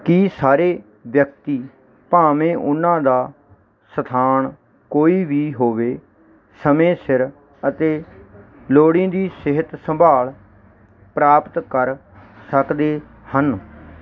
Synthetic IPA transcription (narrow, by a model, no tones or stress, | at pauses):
kiːsaːɾeː | ʋjək̚t̪iː | paːmẽːʔʊnãːd̪aː | sət̪ʰaːɳ | koːiːbiːɦoːʋeː | səmẽːsɪɾ | ət̪eː | loːɽĩːd̪iːsɪɦət̪səmbʱaːl | pɾaːpt̪kəɾ | səkd̪eː | hən